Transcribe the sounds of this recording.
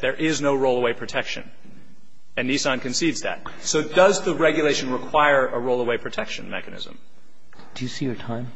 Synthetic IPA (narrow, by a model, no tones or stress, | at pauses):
ðə˞ʔɪznoʊɹoʊlˠəweɪpʰɹ̥ɨtʰɛkʃɨ̰̃n | ɨ̃nːisɑ̃nkɨ̃nsidzðæ̰t̚ | soʊdʌzðɨɹɛɡjɨleɪʃɨ̃nɹəkʰw̥aɪə˞ʔəɹoʊlˠəweɪpʰɹ̥ɨtʰɛkʃɨ̃nmɛ̰kɨnɪ̰zə̰̃m | d̥ɨjɨsijə˞tʰãɪ̃m